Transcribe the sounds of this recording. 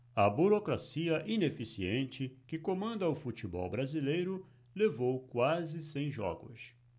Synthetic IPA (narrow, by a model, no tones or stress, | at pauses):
ɐbuɾokɾasiɐʔinefisiẽnt͡ʃɪkɪkomɐ̃nd̪ɐʊfut͡ʃibɔ̰wbɾazilejɾʊ | levowkwazɪsẽj̃ʒɔ̰ɡʊ̰s